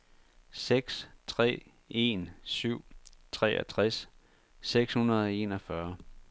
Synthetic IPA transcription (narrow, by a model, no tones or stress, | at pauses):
seɡ̥st͡sʰʁɛ̰ː | e̝nsyʊ̰t͡sʰʁɛ̰ːɒt͡sʰʁas | seɡ̥shunɐð̞ˠɒ̽e̝nɒfɶɐ